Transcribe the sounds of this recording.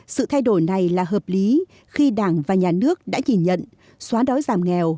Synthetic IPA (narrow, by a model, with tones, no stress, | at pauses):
sɨ̰˧˨t̪ʰa˧jɗo˧˩jna˨˩jlaː˨˩ɦəː˨˩p̚li˨˦ | xi˧ɗaː˧˩ŋvaː˨˩ɲaː˨˩nɨ˦˥ək̚ɗa̰ː˧˥ɲi˧˩nɲə̰˧˨n | swaː˨˦ɗɔ˨˦jzaː˨˩mŋɛ˨˩w